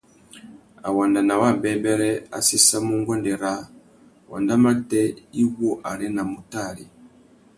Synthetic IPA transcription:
a˨wa˨nda˨na˨wa˦˨mbɛ˦mbɛ˦ɾɛ˦a̰˨si˦sa˦mu˦ŋɡɔ˦ndɛ˨ɾa˨˦ | wa̰˨nda˦ma˦ɾtɛ˦i˦wɔ˦ʔa˨ɾɛ˦na˨mu˨ta˦˨li˨

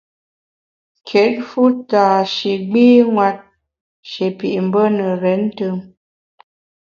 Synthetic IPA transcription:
kʰɛ˨˦t̚fu˦taː˨ʃe˨ɡ͡biː˦ŋwa˦t̚ | ʃe˨pi˨ʔm̩˨bə˦nə˨ɾɛ˨˦n˦tə˦ŋ

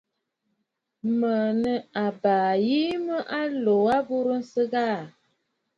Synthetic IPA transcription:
mə˨nə˦a˨baː˨ji˦mə˦ʔa˦lo˨a˦bu˦ɾə˦n̩˦sə˦ɡa˦˨

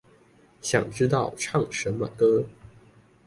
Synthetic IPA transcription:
ɕjɑ̰˨˩ŋʈ͡ʂɻ̩˥t̪ɑ˥˩ʊʈ͡ʂʰɑ˥˩ŋʂə˧˥nmə̰˧kɤ˥

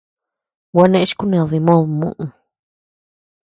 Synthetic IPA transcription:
wa˧nẽ˧ʔʃku˦nẽ˨ði˧mõ˦ðmṵ̃˧ʔũ˧

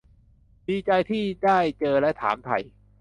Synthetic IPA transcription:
diː˧t͡ɕa˧jt̪ʰiː˥˩daː˥˩jt͡ɕɤː˧lɛ˦˥t̪ʰa̰ː˩˦mt̪ʰa̰˧j

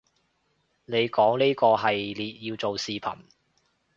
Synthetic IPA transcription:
ne˨˧jkɔː˨˥ŋniː˥kɔː˧ɦɐ˨jliː˨t̚jiː˧wt͡so˨wsiː˨˧pʰɐ̰˨˩n

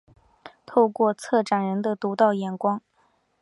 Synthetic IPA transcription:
t̪ʰo˥˧ʊkwɔ˥˧t͡sʰɤ˥˩ʈ͡ʂa˨˩nɻə˧˥nd̪ə˧t̪u˧˥t̪ɑ˥˩ʊjɛ˨˩nkwɑ˥ŋ

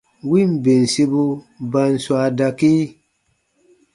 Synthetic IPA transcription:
wi˦˨mbe˨n˨si˦bu˦ | ba˧nswa˧da˨ki˦

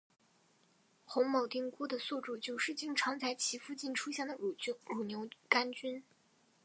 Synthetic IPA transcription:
xʊ˧˥ŋmo˨˩ʊt̪i˥˩ŋku˥d̪ə˨su˥˧ʈ͡ʂu˥˩t͡ɕjo˥˧ʊʂɻ̩˥˧t͡ɕi˥˩ŋʈ͡ʂʰɑ˧˥ŋt͡sʰa˧˥ɪt͡ɕʰi˧˥fu˥˧t͡ɕi˥˩nʈ͡ʂʰu˥ɕjɛ˥˩nd̪ə˩ɻu˨˩˥ɻu˨˩njo˧˥ʊka˥nt͡ɕy˥n

